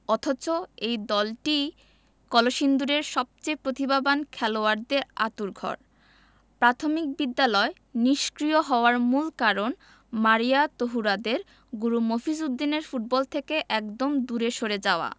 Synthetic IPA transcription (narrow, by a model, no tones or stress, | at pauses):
ɔt̪ʰat͡ɕoejd̪ɔlʈi | kɔloʃind̪uɾeɾʃɔb̚t͡ɕejpɾot̪ibabankʰɛloaɾd̪eɾa̰t̪uɾɡʱɔ̰ɾ | pɾat̪ʰomik̚bid̪ːalɔe | niʃkɾijoɦɔoaɾmulkaɾon | maɾijat̪oɦuɾad̪eɾ | ɡuɾumofisud̪ːineɾfuʈ̚bɔlt̪ʰekeʔɛkd̪omd̪uɾeʃoɾed͡ʑaoa̰